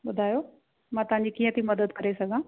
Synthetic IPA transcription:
ɓʊd̪ʱaːjo | mãːt̪ɐʋ̤ɦãɲd͡ʑikiːə̃t̪ʰimɐd̪əd̪kɐɾesɐɡʱãː

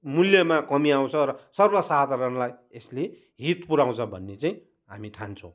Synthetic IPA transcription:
muljʌmakʌmiaw̃t͡sʰʌɾʌsʌrbʌsad̪ʱaɾʌnlajesle | ɦit̪puɾaw̃t͡sʰʌbʱʌnːet͡saĩ | ɦamiʈʰant͡sʰʌw̃

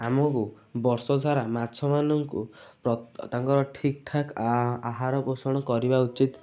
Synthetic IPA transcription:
amɔku | bɔɾsɔd͡zʱaɾamat͡ʃʰɔmanɔŋkṵpɾɔt̪aŋkɔɾɔʈʰik̚t̪ʰakaɦaɾɔpɔsɔɽ̃ɔkɔɾibaut͡ʃit̪

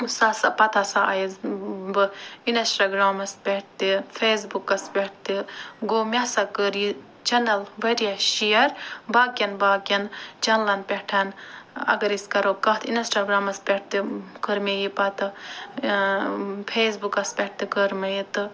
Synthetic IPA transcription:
sasɐpɐt̪ʰɐsaɐ̰jizbɨinɐsʈaɡɾaːmɐspʲeʈ̚t̪ifʰeːs̬bukɐspʲeʈ̚t̪iɡoːmʲɐsɐkəɾji | t͡ʃɐnɐlʋɐɾjaʃijɐɾbaːkʲjɐnbaːkɐnd͡ʒɐnlɐnpʲeʈʰɐnɐ̰ɡɐɾiskɐɾokɐɦt̪ʰinɐsʈaɡɾaːmɐspʲeʈ̚t̪ikəɾmejipɐt̪ɨ | pʰeːs̬bukɐspʲeʈ̚t̪ikəɾmɐjit̪ɨ

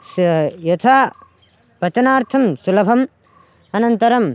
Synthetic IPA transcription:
sjɐt̪ʰa | pɐt͡ʃɐnaːɾt̪ʰɐmsulɐpʰɐm | ɐnɐnt̪ɐɾɐm

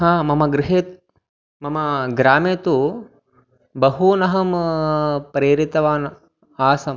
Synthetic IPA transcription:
ɦaːmɐmɐɡɾɪɦeːt̪ | mɐmɐɡɾaːmeːt̪u | bɐɦunɐɦɐm | pɾeːɾit̪ɐʋaːn | aːsɐm

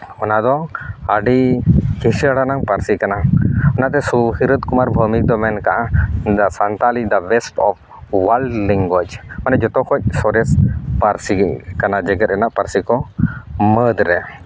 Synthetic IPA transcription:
ɔnad̪ɔaɖikisaɽanaŋpaɾsikanaɔnat̪̬ɛsuhiɾət̪̚kumaɾbʱumik̚d̪ɔmɛnkaʔad̪asant̪alid̪abɛsʈɔp̚ʰ | walɖlɛŋɡɔd͡ʒmanɛd͡ʒɔt̪ɔkʰɔc̚ˀsɔɾɛspaɾsikanad͡ʒɛɡɛɾɛnaʔpaɾsikɔ | məd̪ɾɛ

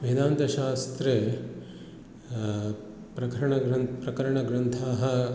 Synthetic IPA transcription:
mɐɦid̪aːnt̪ɐʃaːst̪ɾe | pɾɐkɐɾɐɳɐɡɾɐnpɾɐkɐɾɐɳɐɡɾɐnt̪ʰaːɦɐ

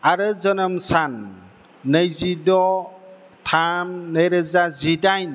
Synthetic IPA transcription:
aɾɯzənəmsanː | əjzidɔ | tʰamnəjɾɯzazidajn

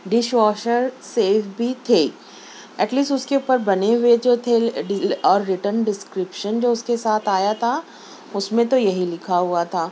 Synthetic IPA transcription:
ɖɪʃʋɔːʃəɾseːfbʱit̪ʰeː | ɐʈliːsʈʊskeupəɾbɐneɦʊed͡ʒoːt̪ʰeɖɪɔːɾːɪʈənɖɪskɾɪpʃənd͡ʒoːʊskesaːt̪ʰaːjat̪ʰa | ʊsmẽt̪ojɐɦilɪkʰaɦuat̪ʰaː

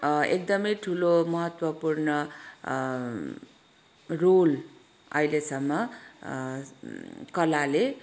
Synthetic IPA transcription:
ek̚d̪ʌmʌjʈʰulomʌɦʌt̪wʌpurnʌ | rol | ʌ̰ilesʌmːʌ | kʌlale

